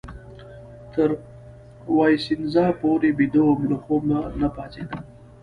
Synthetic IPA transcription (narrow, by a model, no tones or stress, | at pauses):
t̪ʰəɾ | wɑjsinzɑpoɾebid̪omloxomanapɑt̪ed̪a